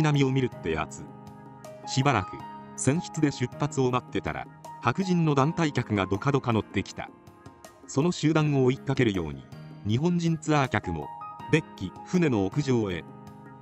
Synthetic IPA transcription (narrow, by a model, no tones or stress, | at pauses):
inamʲio̞mʲiɾɯ̟t̪ːe̞ja̰t͡sɨ | ɕibaɾa̰kɯ̟̰sẽ̞ɰ̃ɕi̥t͡sɨd̪e̞ɕɨpːat͡sɨo̞mat̪ːe̞t̪a̰ɾa̰hakɯ̟ʑĩnːo̞d̪ãnt̪aikʲakɯ̟ɡad̪o̞kad̪o̞kano̞t̪ːe̞kʲi̥t̪a̰ | so̞no̞ɕɨːd̪ãɰ̃o̞ːikːake̞ɾɯ̟jo̞̰ːɲ̟ḭɲ̟iɦõ̞ɲ̟d͡ʑĩnt͡sɨakʲakɯ̟mo̞̰b̪e̞kʲːiɸɯ̟ne̞no̞ːkɯ̟ʑo̞ːe̞̰